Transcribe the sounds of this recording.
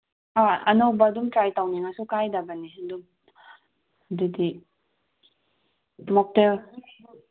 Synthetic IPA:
aɐnawbɐːdumtɾajtawniŋasukajdabaniɐdum | didi | mɔk̚tel

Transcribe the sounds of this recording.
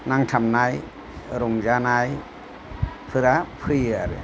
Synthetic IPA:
naŋtʰamnaj | ɾomzanaj | pʰɯɾapʰɯjaɾɯ̰

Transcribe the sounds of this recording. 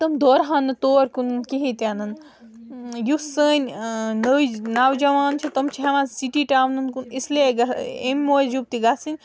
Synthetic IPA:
t̪ɐmd̪ʱoːɾɦanːɨt̪oːɾkunɨnkiɦit̪janɐn | jusəːnʲnɐʋinawd͡ʒɐʋaːnt͡ʃʰit̪ɐmt͡ʃʰiɦɐʋãsiʈiʈaːwnunkunisleɡɐemʲːoːjd͡ʒub̚t̪iɡasinʲ

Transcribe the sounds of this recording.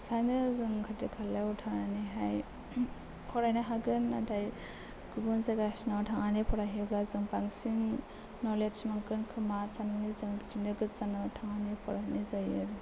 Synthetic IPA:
sanɯzɯŋkʰadikʰalautʰananiɦaj | pʰɔɾajnaɦaɡɯna̰tʰaj | ɡ̥ubɯnzaɡasnawtʰaŋanipʰɔɾaɦiblazɯŋpaŋsiŋ | nɔlet͡ʃmaŋkɯnkʰɯmasananizɯŋdinɯɡɯzanatʰaŋanipʰɔɾaɦnizajɯɾ

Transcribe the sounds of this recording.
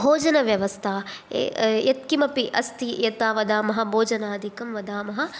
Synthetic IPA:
bʱoːd͡ʒɐnɐʋjɐʋɐst̪ʰa̰ː | jɐt̪̚kimɐpiʔɐst̪ijɐt̪aːʋɐd̪aːmɐɦɐ̆bʱoːd͡ʒɐnaːd̪ʱikɐmʋɐd̪aːmɐɦɐ̆

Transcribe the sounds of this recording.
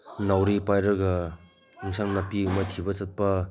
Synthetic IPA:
nawɾipajɾɐɡɐ | iŋsaŋnɐpiumɐtʰibɐt͡ʃɐt̚pɐ

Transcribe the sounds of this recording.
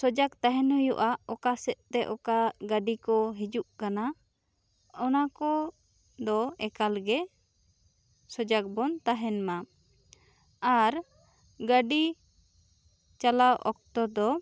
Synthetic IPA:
sɔd͡ʒakt̪aɦɛnhɔjɔ̰ʔaɔkasɛt̪̚ˀt̪ɛʔɔkaɡəɖikɔɦid͡ʒuʔkana | ɔnakɔ | d̪ɔɛkalɡɛ | sɔd͡ʒak̚bɔnt̪aɦɛnma | aɾ | ɡəɖi | t͡ʃalawʔɔ̰k̚t̪ɔd̪ɔ

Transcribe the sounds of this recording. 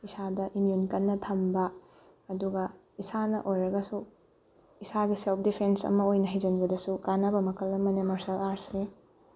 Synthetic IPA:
isadɐʔimjunkɐnːɐtʰɐmbɐː | duɡɐ | isanɐ̰ʔojɾɐɡɐsu | isaɡiselp̚ʰdipʰensɐ̰mɐojnɐɦɐjd͡ʒɐnbɐdɐsukanɐbɐmɐkʰɐlːɐmɐnemɐɾsɐlaɾse

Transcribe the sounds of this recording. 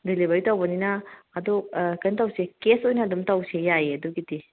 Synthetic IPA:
dilibɐɾitawbɐninɐːdokɐjntawsekesojnɐːdumtawsejajeɐduɡidi

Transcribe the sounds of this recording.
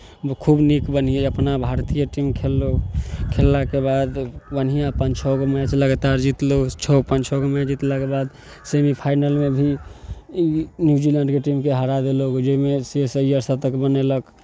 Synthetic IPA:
kʰubnikbən̤ijeəpnabʱaɾt̪ijəʈimkʰelːokʰelːakebad̪bənijapənt͡ʃʰoɡmat͡ʃləɡət̪aɾd͡ʒit̪lot͡ʃʰopənt͡ʃʰoɡmɛd͡ʒit̪lakebad̪ | semipʰajnəlmebʱi | injud͡ʒilə̃ɳɖkeʈimkeɦəɾad̪eloɡd͡ʒəimesiesəijəɾsəb̚t̪əkbənelək

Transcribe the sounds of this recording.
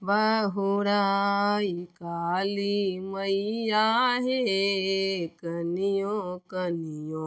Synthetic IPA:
bəɦuɾaikaliməijaɦe | kənijokənijõ

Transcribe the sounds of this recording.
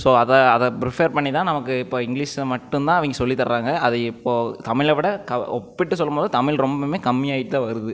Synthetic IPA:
soːɐðɐɐðɐpɾɪfeɾpɐɳːɪt̪ːãːnɐmɐkːɯɪpːoːɪŋɡliːʂmɐʈːɯnt̪ãːɐʋɐŋɡɐsɔlːit̪ːɐɾɾaːŋɡɐɐðɐɪpːoːt̪ɐmɪɭɐʋɪɽɐkɐɔpːɪʈːɯsɔlːɯmboːðɯt̪ɐmɪlɾɔmbɐmeːkɐmːɪjaːjɪʈ̪ːãʋɐɾɯðɯ

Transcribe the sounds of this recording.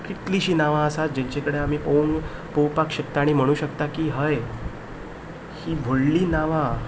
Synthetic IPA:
kiʈ̪liːɕiːnaʋãəsat̪̚d͡ʑẽɲt͡ɕekəɽeam̤iːpəunpowpakɕək̚t̪aːɽ̃im̤əɽ̃uːɕəkt̪akiːɦəj | hiːbʱoɽliːnaʋã

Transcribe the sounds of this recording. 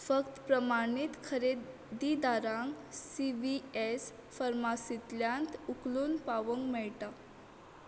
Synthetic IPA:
fəkt̪pɾəmaɽit̪kʰəɾe | d̪id̪aɾãŋksiʋies | fəɾmasit̪ljãnt̪ukluːnpaʋəŋɡmɛɭʈa

